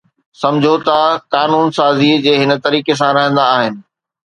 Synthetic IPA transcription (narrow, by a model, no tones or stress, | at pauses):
sɐ̃md͡ʑʱot̪ɐkaːnuːnsaːzid͡ʑeːɦɪnə̆t̪ɐɾiːkes̬ãɾɐɦə̃nd̪aːɦɪnɪ̆